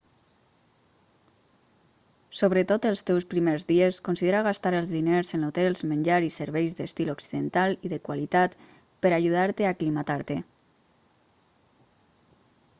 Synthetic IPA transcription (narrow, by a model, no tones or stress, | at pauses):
soβɾət̪ot̪əlˠst̪ɛwspɾimeɾzðieskonsiðeɾaɣ̞ast̪aɾəlˠzðineɾzənot̪ɛlˠzmənd͡ʒaɾisəɾβɛjzðəst̪iloksiðənt̪alˠiðəkwalit̪at̪ | pəɾaʒuð̞aɾt̪eaklimat̪aɾt̪e